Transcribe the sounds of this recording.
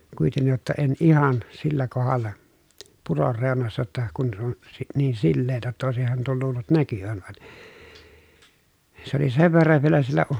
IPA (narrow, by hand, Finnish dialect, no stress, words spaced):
kuitenːij jotːɑ en ihɑn silːæ kohɑlːɑ puror reˑonɑsːɑ tːɑ kun se on si niːn silːeːtæ tːæ oˑesihɑn tuol luːlːut nækyʋæn ʋɑn̥ se oli seʋ ʋerːɑʋ ʋielæ sielːæ